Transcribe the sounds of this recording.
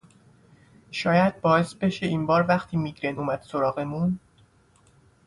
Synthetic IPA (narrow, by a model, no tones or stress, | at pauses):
ʃɒːjæd̪̥̚bɒːesbe̞ʃeiːnbɒːɾvæχt̪ʰiːmiɡɾenuːmæd̪̥soɾɒːɣe̞mun